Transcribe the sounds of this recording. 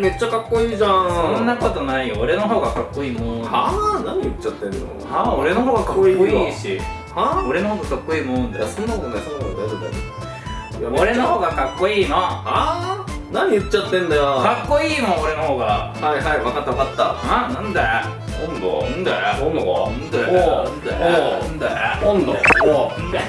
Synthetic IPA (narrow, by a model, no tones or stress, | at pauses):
me̞t͡ɕːakakːo̞iːʑãsõnːako̞t̪o̞naijoːɾe̞noɦo̞ːɡakakːo̞iːmõanaɲ̟ijɯ̟t͡ɕt͡ɕːat̪ːẽ̞nd̪ḛo̰aoɾe̞noɦoːɡakakːoiːoiɕi | aoɾe̞nohoːɡakakːoiːmõnd̪esõnːakot̪oɡ̪asod̪akod̪a̰k | joɾe̞nohoːɡakakːo̞iːnõa | naɲ̟iɯ̟tt͡ɕːat̪ːẽ̞nd̪ajokakːo̞iːmõoɾenohoːɡahaiɦaiβakat̪ːaβakat̪ːaãnãnd̪e | kõnd̪o̰ɯ̃nd̪eõoɯ̃nd̪eõnd̪ḛoɯ̃nd̪ekõnd̪oeond̪e